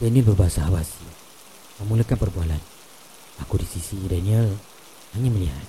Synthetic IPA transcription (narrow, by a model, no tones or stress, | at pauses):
wanibərbaɦasaawasi | məmuləkanpərbualan | akudisisidaɲa | haɲaməliɦa̰t̪̚